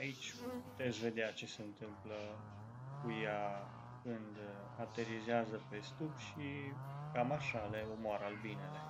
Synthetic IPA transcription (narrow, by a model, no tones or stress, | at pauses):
ait͡ʃʲput̪e̞t̪sʲve̞d̪eat͡ʃe̞se̞ɨnt̪ɨmplə | kuja | kɨnd̪ | at̪e̞ɾizeazəpe̞st̪upʃikamaʃaleomoaɾalvinele